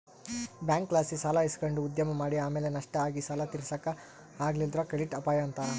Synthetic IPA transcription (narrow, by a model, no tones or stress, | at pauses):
bjaːŋkːlaːsisaːlaiskɐɳɖuːd̪jɐmɐmaːɽiaːmeːlenɐʂʈɐaːɡisɐlɐt̪iɾsɐkːɐ | aːɡlild̪ɾɐkeɽiʈɐpaːjɐːnt̪ɐ